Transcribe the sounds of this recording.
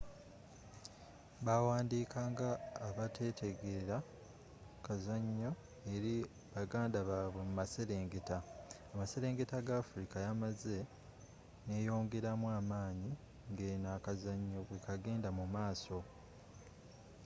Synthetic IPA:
βawaːndiːkʰaːŋɡaːβatʰe̞ːtʰe̞ɡe̞ɾa | kazaɲːo̞ | e̞ɾi | βaɡaːndaβaːβwe̞mumase̞ɾe̞ːŋɡe̞taː | mase̞ɾe̞ːŋɡe̞taɡaːfuɾikajamaze̞ | ne̞jo̞ːŋɡe̞ɾamwaːmaːɲi | ŋɡe̞ːnaːkazaɲːo̞βwe̞kaɡe̞ːndamumaːso̞

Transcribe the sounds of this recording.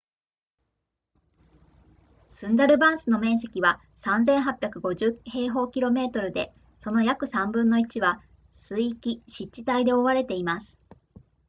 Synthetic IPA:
sɨ̃nd̪aɾɯ̟bãɰ̃sɨno̞mẽ̞ɰ̃s̬e̞kʲiβa | sãnzẽ̞ɰ̃ɦapʲjakɯ̟ɡo̞ʑɨːhe̞ːɦo̞ːkʲiɾo̞me̞ːt̪o̞ɾɯ̟d̪e̞̰ | so̞no̞jakɯ̟sãmbɯ̟̃nːo̞it͡ɕiβa | sɨiːkʲiɕitt͡ɕːɕi̥t̪aid̪e̞o̞βaɾe̞t̪e̞imasɨ̥

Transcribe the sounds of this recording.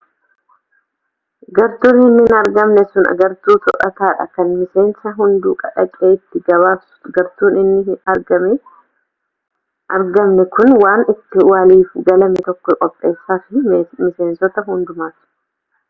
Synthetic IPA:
ɡɐɾt̪uːnɪnːɪnɐɾɡɐmnɛsʊnɐ̰ɡɐɾt̪uːt̪ɔʔɐ̰t̪aːᶑɐ̰kɐnmɪseːnsɐɦʊnd̪uːkʼɐᶑɐkʼːeːɪt̪ːɪɡɐβaːsɡɐɾt̪uːnɪnːɪɪɐɾɡɐmɛ | ɐɾɡɐmnɛkʊnwaːnɪt̪ːɪwaːliːfɡɐlɐmɛt̪ɔkːɔkʼɔpʼːe̞ːsːaːfɪmɪseːnsɔt̪ɐɦʊnd̪ʊmaːt̪ʊ̥

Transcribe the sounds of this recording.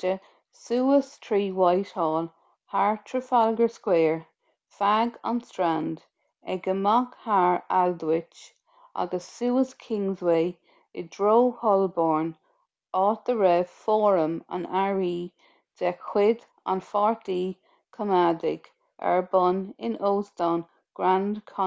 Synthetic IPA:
ə | suːəstʰɹiːwajthɔːl | haɹtʰɹəfalɡəɹskwɛːɹ | faɡa̰nstɹand | ɛɡəmakhaɹaldwɪt͡ʃ | ʔa̰ɡəsːuːəskʰɪŋzweː | ɪdɹoːhɔlbɔːɹn | ɑːt̪̚əɹɛːfɔɹəma̰naɹiː | d̥ɛkʰːw̥ɪd | a̰nfɑɹt̪iː | kʰəmadɪɡ | ɛ̰ɹbɔnɪnoːstɔn | ɡ̥ɹandkʰɔ

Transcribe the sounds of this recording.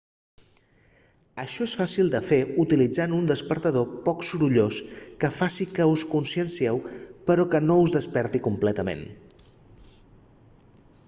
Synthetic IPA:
əʃɔesfasilˠd̪əfeut̪ilid͡zanund̪əspəɾt̪əðopɔksuɾuʎoskəfasikəuskunsiənsiɛwpəɾɔkənouzðəspɛɾt̪ikumplɛt̪əmḛn

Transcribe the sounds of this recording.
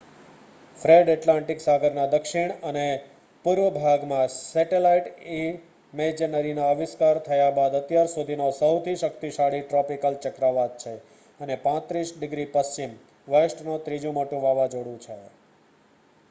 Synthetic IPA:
fɾeɖɛʈlãɳʈiksaɡʱəɾnad̪əkʃiɳ̃əne | puɾʋəbʱaɡmãsɛʈelaiʈi | med͡ʒənəɾinoəʋɪskaɾt̪ʰəjabad̪ət̪jaɾsud̪ʱinosəwt̪ʰiʃəkt̪iʃaɽiʈɾɔpikəlt͡ʃəkɾaʋat̪̚t͡ʃʰe | ənepãt̪ɾisɖɪɡɾipəst͡ʃim | ʋəsʈnot̪ɾid͡ʒũmoʈũʋaʋad͡ʒoɽũt͡ʃʰe

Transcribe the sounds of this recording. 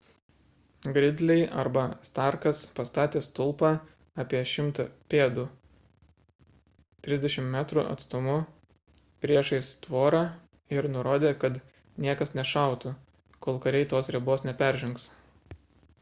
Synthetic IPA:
ɡɾʲɪd̪ʲlʲɛɪʔɐɾbɐst̪ɑˑɾkɐspɐst̪ɑːt̪ʲeːst̪ʊlˠpɑ | ɑːpʲiɛʃʲɪmt̪ɐpʲeːd̪uː | t̪ʲɾʲɪzd̪ʲɛʃʲɪmmʲæːt̪ɾṵʔɐ̰t̪st̪ʊmʊ | pʲɾʲiɛʃɐɪst̪ʋoːɾɑ | ɪɾnʊɾoːd̪ʲeːkɐt̪ | nʲiɛkɐsnʲɛʃɑˑʊt̪ʊ | koːlˠkɐɾʲɛɪt̪oːsɾʲɛboːsnʲɛpʲɛɾʲʒʲʊŋks

